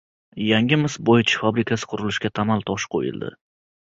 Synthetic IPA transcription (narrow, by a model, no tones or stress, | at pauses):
jaŋʲɪmɪsbojt͡ʃʰɪ̥fabɾɪkʲʰasɪ̥qʰʊɾɪlɪʃkʲat̪ʰamalˠt̪ʰɒʃqʰo̰jɪ̰lˠd̪ɪ̰